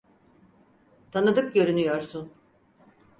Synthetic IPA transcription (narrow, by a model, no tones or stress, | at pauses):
t̪ʰanɯd̪ɯk̚ɟøɾynyjɔɾsun